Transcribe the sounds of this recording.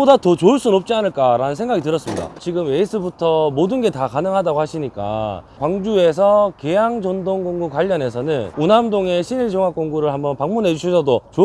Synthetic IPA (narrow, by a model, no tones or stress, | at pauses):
odatʌt͡ɕoɯɭs͈unnʌp̚t͡ɕ͈ianɯɭk͈aɾanɯnsʰe̞ŋɡaɡitɯɾʌs͈ɯmɲida̰t͡ɕiɡɯme̞is͈ʰɯbutʰʌmodɯnɡe̞takanɯŋɦadaɡohaɕʰiɲik͈a̰kwaŋd͡ʑue̞s̬ʰʌke̞jaŋd͡ʑʌndoŋɡoŋɡukwaʎːʌne̞sʰʌnɯnunamdoŋe̞ɕʰiɲiɭd͡ʑʰoŋɦak͈oŋɡuɾɯɭɦhambʌnpaŋmunɦe̞d͡ʑuɕʰisʰʌdot͡ɕo